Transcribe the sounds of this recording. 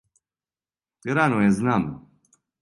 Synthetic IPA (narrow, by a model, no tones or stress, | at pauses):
t̪iɾanuɛznam